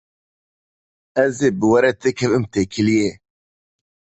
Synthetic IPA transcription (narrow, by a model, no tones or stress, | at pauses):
ɛzeːbɨwɐɾɛt̪ʰekʰɛvɨmt̪eːkʰɨlije